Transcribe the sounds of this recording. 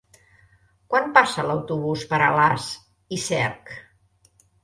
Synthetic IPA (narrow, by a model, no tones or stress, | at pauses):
kwanpasələwt̪uβ̞uspəɾə̰las | isɛɾk